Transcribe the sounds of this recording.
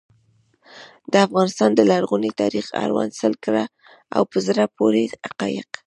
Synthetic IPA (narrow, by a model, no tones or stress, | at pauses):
d̪̥əafɣɑnɪst̪ɑnd̪əlaɾɣunit̪ɑɾixa̰ɾwɑ̰nsəlkɾa | a̰wpəzɾapoɾeaqɑjɪq